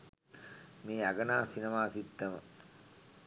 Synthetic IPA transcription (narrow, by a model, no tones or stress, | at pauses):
meːaɡɐnaːsinɐmaːsit̪ːɐmə̰